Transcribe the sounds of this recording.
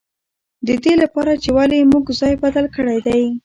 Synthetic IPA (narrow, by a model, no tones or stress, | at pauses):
d̪əd̪elapɑɾat͡ʃewalimuɡzɑjbad̪alkəɽajd̪aj